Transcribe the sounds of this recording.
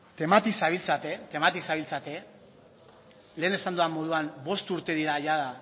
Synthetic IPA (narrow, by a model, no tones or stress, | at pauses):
t̪e̞mat̪isaβilt͡sat̪e̞t̪e̞mat̪isaβilt͡sat̪e̞ | le̞ːne̞sand̪uamːo̞ðuanbo̞st̪uɾt̪e̞ðiɾaʝaða